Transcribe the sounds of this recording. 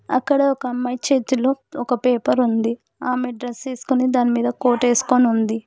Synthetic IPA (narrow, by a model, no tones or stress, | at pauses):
ɐ̰kːɐɽɐɔkɐɐmːaːjt͡ʃeːt̪uloːɔkɐpeːpɐɾund̪i | aːme̞ɖɾest͡ʃeːsu̥kunid̪aːnimiːd̪ɐko̞ːʈe̞ːsu̥koniund̪i